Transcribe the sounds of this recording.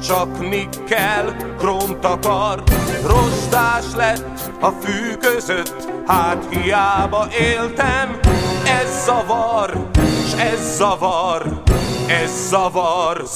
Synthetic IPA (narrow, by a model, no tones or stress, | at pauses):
t͡ʃɒknikːɛlkroːnt̪ɒkɒrroʒd̪aːʃlɛt̪ː | ɒfyːkøzøt̪ːhaːt̪hijaːbɒʔeːlt̪ɛmɛzːɒvɒreːʃɛzːɒvɒrɛzːɒvɒr